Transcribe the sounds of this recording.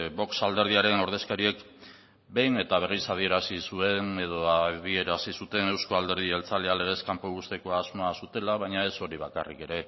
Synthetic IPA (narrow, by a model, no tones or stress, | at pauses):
bo̞ksald̪e̞ɾð̞iaɾe̞no̞ɾðe̞skaɾie̞k | be̞jne̞t̪aβ̞e̞risað̞ie̞ɾasisue̞ne̞ðo̞aðie̞ɾasisut̪e̞ne̞wsko̞ald̪e̞ɾð̞ielt͡saleale̞ɣ̞e̞skampoβust̪e̞ko̞azmoasut̪e̞laβaɲae̞so̞ɾiβaka̰rḭke̞ɾe̞